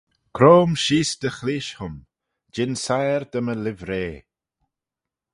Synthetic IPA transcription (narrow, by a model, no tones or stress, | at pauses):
kʰɾoːmʃiːsd̪əxliːʃhʊm | d͡ʒɪnsajɾd̪əməlɪvɾeː